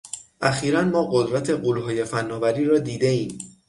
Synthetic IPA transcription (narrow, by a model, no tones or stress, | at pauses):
ʔæxiːɾænmɒːɢo̞d̪ɾæt̪ʰe̞ɢulɦɒːje̞fænːɒːvæɾiːɾɒːd̪iːd̪e̞iːm